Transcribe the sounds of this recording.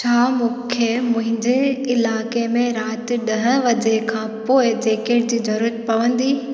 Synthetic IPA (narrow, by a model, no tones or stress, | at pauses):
t͡ɕʰaːmũːkʰemʊ̃ɦɪ̃ɲd͡ʑeɪlaːkemẽɾaːt̪ɪ̆ɗɐɦə̃̆ʋɐd͡ʑekʰãːpoːɪd͡ʑeːkeɽd͡ʑiːzɐɾuːɾət̪̚pɐʋə̃nd̪iː